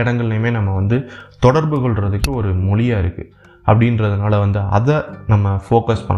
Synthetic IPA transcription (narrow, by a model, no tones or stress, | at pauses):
ɪɽɐŋɡɐɭɪlɐjmeːnɐmːɐʋɐnd̪ɯt̪ɔɽɐɾbɯɣɔɭɾɐðɯkːɯɔɾɯmʊɭɪjaːɪɾɯkːɯ | ʔɐpːɐɽɪnrɐðɯnaːlɐʋɐnd̪ɯɐ̰ðɐnɐmːɐfoːkɐspɐ̰ɳːɐ